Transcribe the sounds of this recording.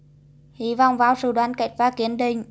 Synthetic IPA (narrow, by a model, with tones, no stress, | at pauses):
hi˧˨vɔ̰˧˨wŋ͡mvaː˧˦wsɨ̰˧˨ɗwaː˨˦nka˧˩jk̟̚vaː˧˩ki˨˦ənɗï˧˩ŋ̟